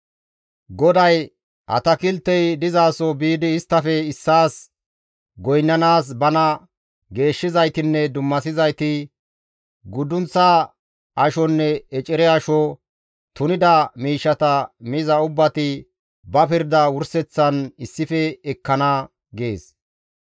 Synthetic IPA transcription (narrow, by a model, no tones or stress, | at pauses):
ɡɔd̪ɐj | ʔɐ̰t̪ɐkɪlt̪ːɛjd̪ɪzaːsɔbiːd̪ɪːst̪ːɐfɛɪsːaːs | ɡɔjnːɐnaːs̬bɐnɐ | ɡe̞ːʃːɪzɐjt̪ɪnːɛd̪ʊmːɐsɪzɐjt̪ɪ | ɡʊd̪ʊnt͡sːɐ | ʔɐʃɔnːɛɛt͡ʃʼɪɾɛɐʃɔ | t̪ʊnɪd̪ɐmiːʃːɐt̪ɐmɪzɐʊbːɐt̪ɪ | bɐpɪɾd̪ɐwʊɾsɛt͡sːɐnɪsːɪfɛɛkːɐnɐ | ɡeːs